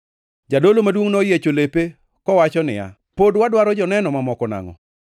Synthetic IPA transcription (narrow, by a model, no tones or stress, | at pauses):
d͡ʒadolomadwoŋnɔjet͡ʃolepe | kɔwat͡ʃɔnɪ̰ja̰ | podwadwaɾɔd͡ʒɔnɛnɔmamɔkɔna̰ŋɔ̰